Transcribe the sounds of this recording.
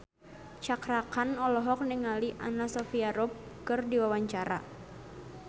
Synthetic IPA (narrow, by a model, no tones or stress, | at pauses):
t͡ʃakɾakanɔlɔɦɔk̚nɪŋaliʔanasɔfiaɾɔp̚kɨrdiwawaɲt͡ʃaɾa̰